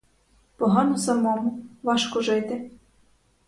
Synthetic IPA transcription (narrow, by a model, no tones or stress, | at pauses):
poɦɑnosɑmomuʋɑʃkoʒɘt̪ʲe